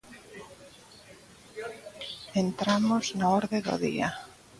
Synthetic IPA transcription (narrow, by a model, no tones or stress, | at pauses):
ent̪ɾamoznaoɾðeðo̰ðḭa̰